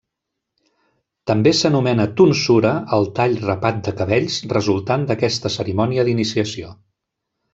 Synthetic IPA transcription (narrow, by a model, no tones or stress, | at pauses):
t̪əmbesənumɛnət̪unsuɾəːlˠt̪aʎrəpat̪̚d̪əkəβ̞ɛʎsrəzulˠt̪and̪əkɛst̪əsəɾimɔniəðinisiəsio